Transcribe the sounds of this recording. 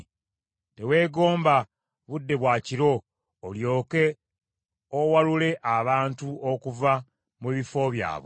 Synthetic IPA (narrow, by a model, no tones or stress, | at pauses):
te̞we̞ːɡo̞ːmba | βudːe̞βwaːciɾo̞ː | ljo̞ːke̞ | owalule̞ʔaβaːntuokuva | muβifo̞βja̰ːβo